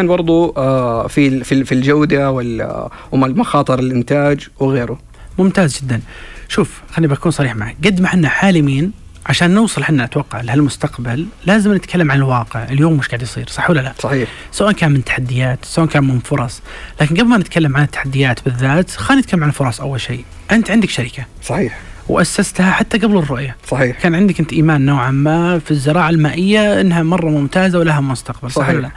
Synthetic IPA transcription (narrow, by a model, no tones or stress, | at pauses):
aːnbɑɾˤd̪ˤuafififild͡ʒawd̪awɪl | wmalmʊxɑːt̪ˤɨɾɪlʔɪnt̪aːd͡ʒwɣeːɾʊ | mʊmt̪aːzd͡ʒɪd̪ːanʃuːf | xanːibakuːnsˤɑɾiːħmaʕaɡad̪ːmaħɪnːaħaːlɪmiːn | ʕaʃaːnːʊwsˤɨlħɪnːaʔat̪wɑqːɑʕlɪhalmʊst̪aqbalːaːzɪmnɪt̪kʰalːamʕanɪlwɑːqɪʕʔɪljoːmːʊʃɡaʕd̪jsˤḭːɾsˤɑħwalːalaʔsˤɑħiːħ | sʊwaʔankaːnmɪnt̪ːḁħad̪ːɪjaːt̪sawaʔankaːnmʊmfʊɾˤɑsˤlaːkɪnɡabmanɪt̪kʰalːamʕanɪt̪ːḁħad̪ːɪjaːt̪bɪðːaːt̪xaːnːɪt̪kalːamʕanɪlfʊɾˤɑsˤʔawːalʃeː | ʔɪnt̪ʕɪnd̪ɪkʃaɾɪka | sˤɑħiːħwʔasːast̪haħat̪ːaɡablɪrˤːʊʔjasˤɑħiːkaːnʕɪnd̪ɪkʔɪnt̪ʔiːmaːnːoːʕamːafizːɪɾˤɑːʕalmaːʔɪjːaʔɪnːɦamɑrˤːɑmʊmt̪aːzawlaɦamʊʊst̪aqbalsˤɑħllːa